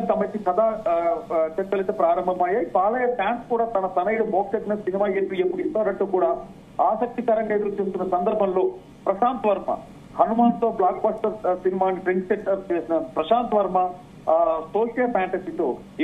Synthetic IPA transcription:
sɐmɐjisikɐd̪ʱaː | t͡ʃeʈːɐlːit̪ɐpɾaːɾɐmbʱɐmːaːjɐipaːlɐjɐpaːɳskuːɽɐt̪ɐnɐt̪ɐnɐjɽuboːksɐʈnɐsinimaːjep̪ːijepːuɽint̪ɐɐɾɐɳʈːukuːɽɐ | aːsɐk̚t̪ikɐɾɐɳɖeːd̪ɐɾut͡ʃeːst̪unːɐsɐnd̪ɐɾbʱɐmlu | pɾɐʃaːnt̪ʋɐɾmɐ̰ | hɐnumaːt̪ʋɐblaːk̚baːsʈɐɾsinimaːnipɾeɳʈseʈːɐpɾɐʃaːnt̪ʋɐɾmɐ | soːlʈɐjɐpʰaːɳʈɐsit̪u

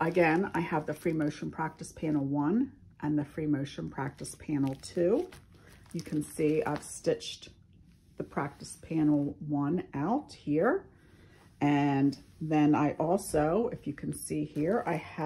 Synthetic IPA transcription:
ʔəɡɛ̃na̰ɪəvðɨfɹimoʊʃn̩pʰɹ̥æk̚tɨspʰæ̃nl̩ˠwʌ̃n | ʔɨ̃nðɨfɹimoʊʃɨ̃npʰɹ̥æk̚tɨspʰæ̃nl̩ˠtʰʉ | jɨkʰn̩sia̰ɪv̥stɪt͡ʃ | ðɨpʰɹ̥æk̚tɨspʰæ̃nl̩ˠwʌ̃naʊt̚hiɹ | ʔɨ̃nðɨ̃naɪʔɔlˠsoʊɨfjɨkʰɨ̃n̩sihiɹa̰ɪɨ

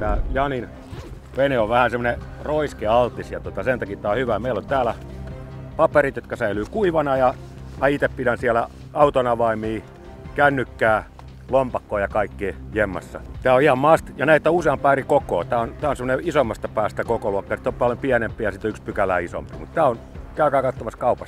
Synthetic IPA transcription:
t̪æːjɑnin | ʋeneoʋʋæhænsemːoneroiskeɑlt̪isjɑt̪ot̪ɑsent̪ɑkit̪ːæːohyʋæmeilont̪æːlæ | pɑperit̪jot̪kɑsæylyːkuiʋɑnɑjɑ | ɑit̪eppidænsiælæ | ɑut̪onɑʋɑimiː | kænːykːæː | lompɑkːoːjɑkɑikːiːjemːɑ̰sːɑ̰t̪æːoihɑmmɑst̪jɑnæiet̪ːæuseɑmpæːrikoko̰ːt̪æːont̪æːonsemoneisomːɑst̪ɑpæːst̪ækokoluɑkːɑsi̥t̪ːˑompɑljompiænempːˑijɑsit̪oykspykælæ̰ːiso̰mpḭmut̪t̪æːon | kæykæːkɑt̪ːomɑskɑupɑst̪

